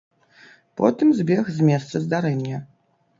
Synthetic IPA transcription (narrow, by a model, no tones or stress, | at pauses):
pɔ̰t̪ɨmzʲbʲɛxzʲmʲɛst̪sɐzd̪aɾɛnʲːɐ